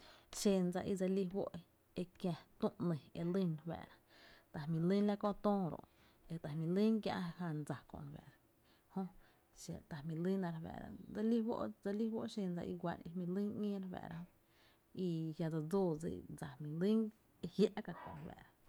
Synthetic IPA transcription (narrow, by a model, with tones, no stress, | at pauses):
ʃe˧nd͡za˧ʔi˧d͡za˧li˧wo̰˦ʔ | e˧kjã˧t̪ũ˦ʔnə̃˨e˧li˦n˧hbɛ̰ː˨ɾa˧t̪a˨hmĩ˨li˦nla˦kõ˦˧˨t̪õː˦˧ɾo̰˧˨ʔ | e˨t̪a˨hmĩ˨li˦ŋkjã̰˧ʔha˧nd͡za˨kõ̰˧˨n˨wɛ̰ː˨ɾa˧ | hõ˦ | ʃa̰˨t̪a˨hmĩ˨li˦nã˧ɾhbɛ̰ː˨ɾa̰˧d͡za˧li˦wo̰˦ʔd͡za˧li˦wo̰˦ʔʃe˧nd͡za̰˧ʔḭ˧ɡʷa˧˨nḛ˧hmĩ˧li˦ŋɲĩː˦ɾbɛ̰ː˨ɾʔa˧hõ˧ | i˧ja˧d͡za˧d͡zoː˦˨d͡zḭ˨d͡za˨mĩ˨li˦ŋ | e˧hja˦ʔka˧kõ̰˨n˨bɛ̰ː˨ɾa˧